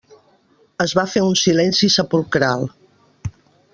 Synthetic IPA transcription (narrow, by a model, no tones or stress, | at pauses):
əzβafeunsilɛnsisəpulˠkɾalˠ